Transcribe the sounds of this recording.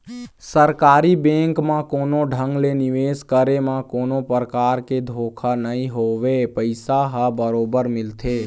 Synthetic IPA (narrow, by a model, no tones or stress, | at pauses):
səɾkaːɾibẽːŋkmãkoːnoɖʱə̃ŋɡlenɪʋeːskəɾemãkoːnopəɾəkaːɾked̪ʱoːkʰanəĩɦoʋepəɪsaɦəbəɾoːbəɾmɪlt̪ʰe